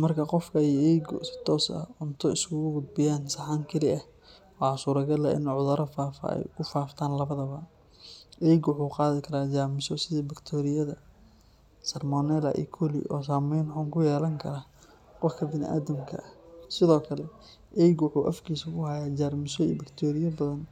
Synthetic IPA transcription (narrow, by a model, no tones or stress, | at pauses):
mɐrkʰɐqɔfkʰɐɛʔɛjɡʊ̰sɪ̥t̪ʰɔːsɐ̰ʊnt̪ʰɔɪskʰʊɣʊɡʊd̪̚bɪjaːnsɐħaːŋkʰɪlɪʔɐh | wɑːsuːɾɐɡɐlɐʔɪ̰nʕʊðɐɾɐfaːfɐ̰ɛ̰jkʰʊfaːft̪ʰaːnlɐβɐðɐβɐ | ʔɛjɡwʊħuːqɑːðɪkʰɐɾaːd͡ʒaːmɪsɔsɪðiːbɪkt̪ʰɔːɾɪjɐðɐ | sɐrmɔnɛːlɐ̰ʔḭkʰɔlḭʔɔːs̬aːmɛjnħuːŋkʰʊjɛːlɐŋkʰɐɾaː | qɔfkʰɐbɪnɪ̰ʔa̰ːðɐmkʰɐ̰ʔɐsɪðɔːkʰɐlɛ | ʔɛjɡwʊħuːʔɐfkʰiːsɐkʰʊhajaːd͡ʒaːrmɪsɔḭːbɪkt̪ʰɔːɾɪjɐbɐðɐn